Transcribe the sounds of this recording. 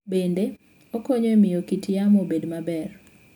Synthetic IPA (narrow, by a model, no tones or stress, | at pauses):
bende | okoɲoemɪjokitjamobedmabɛr